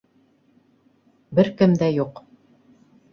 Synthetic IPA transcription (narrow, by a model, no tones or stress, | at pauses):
bɘɾkɘmd̪æjuq